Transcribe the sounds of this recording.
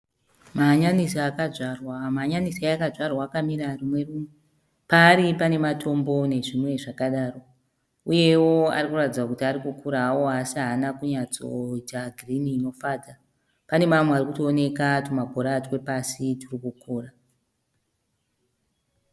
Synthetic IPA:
maɲanisaakaʐarwamaɲanisajakaʐarwaːkamiɾarimwe̞ruːmwe | paːɾipane̞matʰo̞mbo̞ne̞ʐimwe̞ʐakaɗaːro̞ | uje̞wo̞a̰rikuratid͡zwakutiaɾikukʰuɾaːwoɦasiaːnakuɲat͡so̞̰itaɡʱriniːno̞faːda | pane̞mamwearikutoːne̞katumakoɾaːtwe̞pasitirikukʰuːra

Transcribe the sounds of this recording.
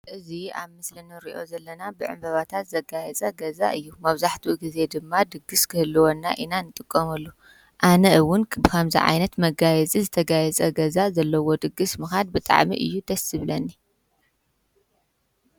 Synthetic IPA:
ʔɨzia̰βmɨslɨnɨɾḭʔo̞̰zɐlːɐnabɨʕɨ̰mbɐβat̪ʰat̪zɐɡajɛt͡sʼaɡɐza̰ʔɨjːumɐβzaħt̪ʰuɡize̞d̪ɨmːad̪ɨɡːɨskʰɨhɨlːɨwonːa̰ʔinanːɨt̪ʼɨkʼːɐmɐlːu | ʔanɐɨwʊnbɨkʰɐmzḭʕa̰jnɐt̪mɐɡajɛt͡sʼizɨt̪ʰɐɡajɛt͡sʼɐɡɐzazɐlːɐwo̞d̪ɨɡɨsmɨxad̪̚bɨt̪ʼa̰ʕmḭʔɨ̰jːut̪ʰɐsɨβlɐnːi

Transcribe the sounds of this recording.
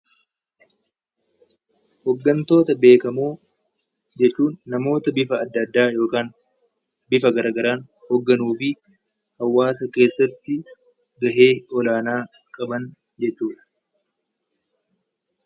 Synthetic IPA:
hɔɡːɐnt̪o̞ːt̪ɐbe̞ːkɐmuː | d͡ʒɛt͡ʃːuːnːɐmo̞ːt̪ɐbɪfɐːd̪ːɐd̪ːaːjo̞ːkaːn | bɪfɐɡɐɾaːɡɐɾaːn | hɔɡːɐnuːfɪ | hɐwːaːsɐke̞ːsːɐt̪ːɪ | ɡɐɦe̞ːɔlaːnaː | kʼɐbɐn | d͡ʒɛt͡ʃːuːᶑɐ̥

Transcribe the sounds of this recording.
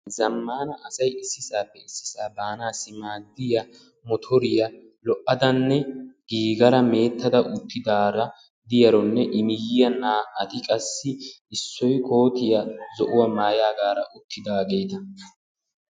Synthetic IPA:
zɐmːaːnɐʔɐsɐjɪsːɪsaːpːɛɪsːɪ̥saːbaːnaːsːɪmaːd̪ːɪjɐ | mɔt̪ʰɔɾɪjɐ | lɔʔːɐd̪ɐnːɛɡ̥iːɡɐɾɐme̞ːt̪ːɐd̪ɐʔʊt̪ːɪd̪aːɾɐ | d̪ɪjɐɾɔnːɛʔɪmɪjɪjɐnːaːɐt̪ɪkʼɐsːɪ | ɪsːɔjko̞ːt̪ɪjɐzɔʔʊwɐmaːjaːɡaːɾɐʔʊt̪ʰːɪd̪aːɡe̞ːt̪ɐ

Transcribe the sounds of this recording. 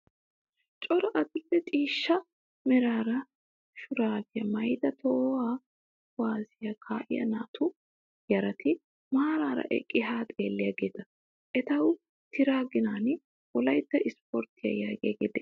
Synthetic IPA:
t͡ʃʼɔɾɐʔɐd̪ʊlːɛt͡ʃʼiːʃːɐ | mɛɾaːɾɐ | ʃʊɾaːɡɪjɐmɐjd̪ɐt̪ʰoːwaː | waːzɪjɐkʰaːʔɪ̰jɐ̰naːt̪ʰʊ | jɐɾɐt̪ɪ | maːɾaːɾɐ̰ʔɛ̰kʼːɪɦaːt̪ʼeːlːɪjaːɡeːd̪ɐ | ʔɛt̪ɐw | t̪ʰɪɾaːɡɪnaːn | wɔlɐjt̪ːɐʔɪspɔɾt̪ːɪjɐ̰jaːɡḛːɡeːd̪ɛ

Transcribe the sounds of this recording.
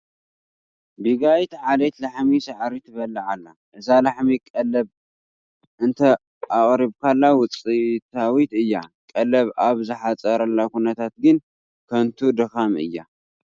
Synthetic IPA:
biɡajt̪ʕalet̪laħmisaʕɾit̪ʰɨβɐlːɐʕalːa | ʔɨzalaħmikʼɐlɐβ | ɨnt̪ʰɐ | aχʼɾiβkʰalːawʊt͡sʼit̪ʰawit̪ɨjːakʼɐlɐβaβzɨħat͡sʼɐɾɐlːakunɐt̪ʰat̪̚ɡɨn | kʰɐnt̪ʰud̪ɨxamɨ̰jːa

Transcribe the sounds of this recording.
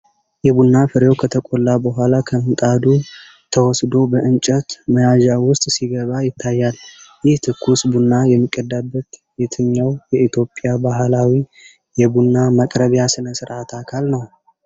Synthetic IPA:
jɛbunːafɨɾjo̞wkʰət̪ʰəkʼolːabəɦʷalakʰənt̪ʼad̪u | t̪ʰəwɔsd̪o̞bəʔɨnt͡ʃʼət̪məjaʒawʊst̪ʼsiɡəβajɪt̪ʰːajːaljɪht̪ʰɨkʰːusbunːajɛmːikʼːəd̪ːabːət̪jet̪ʰɨɲːawjɛit̪jo̞pʼjabaɦlawi | jɛbunːaməkʼɾəβjasɨnəsɨɾʔat̪ʰakʰalnəw

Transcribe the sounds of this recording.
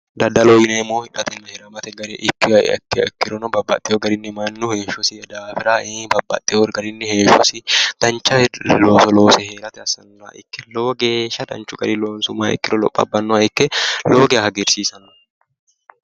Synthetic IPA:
d̪ɐd̪ɐlojɪneːmːoːhɪᶑɐt̪ɛnːɐhɛɾɐmɐt̪ɛɡɐɾḛːʔɪkːɪ̰ɐ̰kːɪkːɪɾɔnɔbɐbːɐ̰t̪ʼːɪɔɡɐɾɪnːɪmɐnːʊheːʃʊsɪɛd̪aːfɪɾaːʔɪbɐbːɐ̰t̪ʼːɪoɾɡɐɾɪnːɪheːʃɔsɪd̪̥ɐnt͡ʃːɐloːsɔloːsɛheːɾɐt̪ɛɐsɐnːaʔɪ̰kːɛloːɡeːʃɐd̪ɐ̰nt͡ʃʊɡɐ̰ɾɪloːnsʊmaːɪ̰kːɪɾɔlɔ̰pʼːɐ̰bːɐnːɔɐɪkːɛloːɡɛhɐɡɛɾsiːsɐn

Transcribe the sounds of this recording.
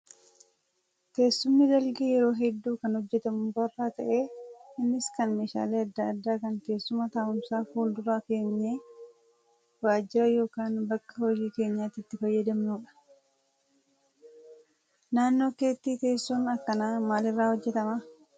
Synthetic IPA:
t̪e̞ːsːʊmːɪd̪ɐlɡejɛɾo̞ːɦɛd̪ːuːkɐnhɔd͡ʒːɛt̪ɐmʊbɐrːaːt̪ɐʔe̞ːɪnːɪskɐnmeːʃa̰ːle̞ːɐd̪ːɐɐd̪ːaːkɐŋke̞ːsːʊmɐt̪aːʔʊmsaːfuːld̪ʊɾaːke̞ːɲːeː | waːd͡ʒːɪɾɐjo̞ːkaːnbɐkːɐhɔd͡ʒiːke̞ːɲːaːt̪ɪt̪ːɪfɐjːɐd̪ɐmnuːᶑɐ̥ | naːnːo̞ːke̞ːt̪ːiːt̪e̞ːsːunɐkːɐnaːmaːlɪrːaːhɔd͡ʒːɛt̪ɐmɐ

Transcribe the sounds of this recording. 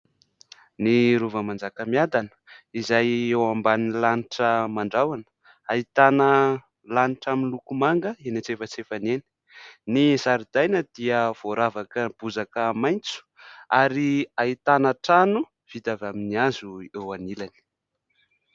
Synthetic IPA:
niɾuvəmand͡zakəmiad̪anə̥izajewambanilaniʈ͡ʂəmaɳɖ͡ʐawanə̥ | ait̪anə | laniʈ͡ʂamilukumaŋɡəenat͡sefət͡sefaneni̥ | nizaɾid̪ajnəd̪iəv̥oɾavakəb̥uzakəmajnt͡su̥aɾiait̪anaʈ͡ʂanu | v̥it̪avaminiazuewanilani̥

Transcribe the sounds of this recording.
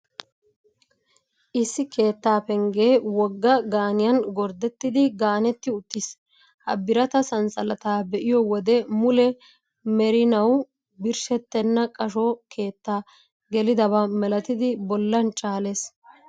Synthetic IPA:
ʔɪsːɪkʰe̞ːt̪ːaːpɛŋɡe̞ːwɔɡːɐɡaːnɪjɐnɡɔɾd̪ɛt̪ːɪd̪ɪɡaːnɛt̪ːɪʊt̪ːis | hɐbɪɾɐt̪ɐsɐnsɐlɐt̪aːbɛʔɪjɔwɔd̪ɛmʊlɛ | mɛɾɪnɐw | bɪɾʃɛt̪ːɛnːɐkʼɐʃɔkʰe̞ːt̪ːaː | ɡɛlɪd̪ɐβɐmɛlɐt̪ɪd̪ɪbɔlːɐnt͡ʃʼaːle̞ːs

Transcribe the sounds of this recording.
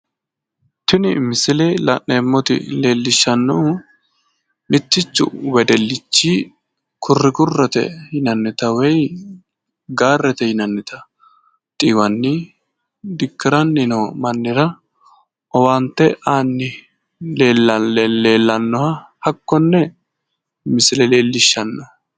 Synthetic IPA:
t̪ɪnɪmɪsɪleːlɐ̰nːeːmːɔt̪ɪ̰le̞ːlːɪʃːɐnːu | mɪt̪ːɪt͡ʃːʊ̰wɛd̪ɛlːɪt͡ʃːiː | kʰʊrːɪɡʊrːɛt̪ɛ̰hɪnɐnːɪt̪ɐwɛj | ɡaːrːɛt̪ɛhɪnɐnːɪt̪ɐ | t̪ʼiːwɐnːɪ | d̪ɪkːɪɾɐnːɪnomɐnːɪɾɐ | ʔɔwaːnt̪ːɛʔaːnːɪ | leːlːɐe̞ːlːɐnːɔhɐ | hɐkːɔnːɛ | mɪsɪlɛle̞ːlːɪʃːɐnːɐ

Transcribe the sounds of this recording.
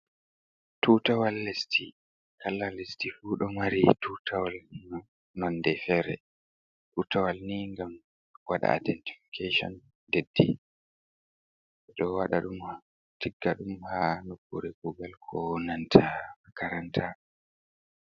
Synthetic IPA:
tʰutawalːesti | kʰalːalestifuːɗɔmaɾitutʰawalŋam | nɔnːdɛfɛɾɛ̰ | tutʰawalniŋɡam | waɗa̰a̰dɛnti̥fi̥kʰeʃɔ̰n | dedːḭ | ɛɗɔwaɗaɗum | tʰiɡːaɗumhanokːuɾekuɡalkʰɔnantʰamakʰaɾantʰa

